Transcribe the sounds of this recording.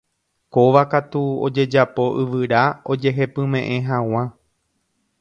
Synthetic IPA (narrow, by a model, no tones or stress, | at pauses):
ko̞ʋakat̪uo̰d͡ʒe̞d͡ʒapo̞ʔɨʋɨɾao̞d͡ʒe̞ɦe̞pɨ̃mẽ̞ʔẽ̞ɦãw̃ã